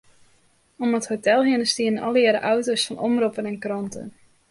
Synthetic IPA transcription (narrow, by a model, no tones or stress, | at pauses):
ɔməthotɛlˠɦɪənəstiənənʔɔlˠəɾə̰ʔawtosfɔnʔɔmropənɛnkrɔntə̰n